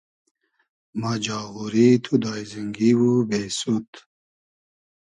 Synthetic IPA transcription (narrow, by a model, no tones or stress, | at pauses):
mad͡ʑaːɣuɾit̪ʰud̪aːjziŋɡiwubeːsut̪